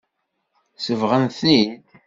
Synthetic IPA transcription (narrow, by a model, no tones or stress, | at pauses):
səvʁənθnid̪